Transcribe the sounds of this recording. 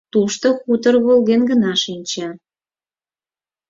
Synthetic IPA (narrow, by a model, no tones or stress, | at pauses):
t̪uʃt̪oxut̪ərɣolɣenɣənɑʃinʲt͡ɕɑ